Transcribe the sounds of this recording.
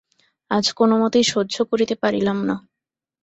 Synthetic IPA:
ad͡ʑkonomot̪ejʃod̪ːd͡ʑokoɾit̪epaɾilamna

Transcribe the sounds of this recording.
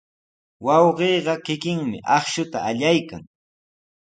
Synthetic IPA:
wɑwɢeːɢɑkɪkɪŋmɪ̰ʔɑχʃʊt̪aːʎajka̰ŋ

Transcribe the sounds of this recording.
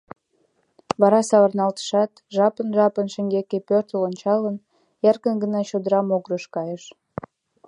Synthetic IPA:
βɑɾɑsɑβɑrnɑlt̪ə̥ʃɑt̪ʒɑpənʒɑpənʃə̆ŋɡekepørt̪əlonʲt͡ɕɑlən | jærkənɡənɑt͡ɕod̪əɾɑmoɣɾəʃkɑjəʃ

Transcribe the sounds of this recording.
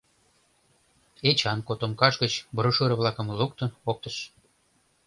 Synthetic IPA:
et͡ɕɑnkot̪omkɑʃɡət͡ɕbəɾoʃøɾə̆βlɑkə̆mluk̚t̪ɤ̆ok̚t̪əʃ

